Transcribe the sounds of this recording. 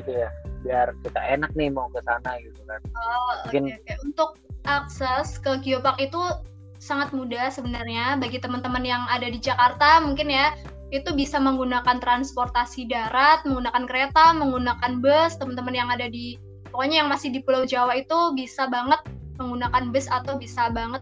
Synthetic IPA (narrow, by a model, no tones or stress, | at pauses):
ɡit̪ujabiarkit̪aenak̚nɪhmaukəsanaɡit̪ukanəkɪnkajaunt̪ʊk̚aksɛskəɡiopakit̪u | saŋat̪̚mudasəbənarɲabaɡit̪əmənt̪əmənjaŋadadid͡ʒakart̪amuŋkɪnja | it̪ubisaməŋɡunakant̪ɾansport̪asidaɾat̪̚məŋɡunakankəɾet̪aməŋɡunakanbəst̪əmənt̪əmənjaŋadadi | pokoɲajaŋmasɪhdipulawd͡ʒawait̪ubisabaŋət̪̚məŋɡunakanbəsat̪awbisabaŋət̪̚